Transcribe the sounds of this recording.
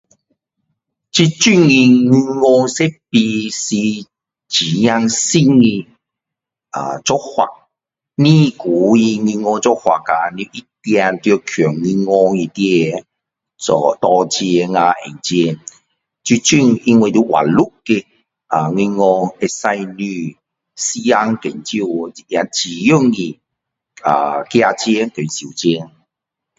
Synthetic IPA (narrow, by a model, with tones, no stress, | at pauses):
t͡ɕi˧t͡ɕy˥˧ŋi˧ŋi˧ŋɔ˧se˦pi˧si˧ | t͡ɕi˨˦ja˧ŋsi˥˧ŋi˧ | a̰˨t͡sɔ˦k̚hwa̰˨˩ | nĩ˦ku˨˦i˧ŋi˧ŋɔ˧t͡sɔ˦hwa̰˨ka˨˧ni˧˦ʔi˦t̪ja˧t̪jo˧kʰɔ˨˩ŋːi˧ŋɔ˧i˧t̪i˦e˧˨ | ɔ˧t̪ɔ˧t͡ɕɛ˧ŋa˧ʔɛ̰˨˩ŋt͡ɕjɛ˧n | t͡ɕu˧t͡ɕy˥˧˨ŋi˧ŋwe˧t̪u˧˦ʔwʔa̰˨nlu˦ke˧ | a˨˩ŋi˧ŋɔ˧e˧sa˧jny˧ | si˦a˧ŋkḛ˨˩nt͡ɕju˧˨˧i˨ja˨˦t͡ɕi˨˩jo˦˨ŋːi˨ | a̰˨kja˧t͡ɕjɛ˧˦ŋke˨n˨si˨˩˨t͡ɕjɛ˧˦ŋ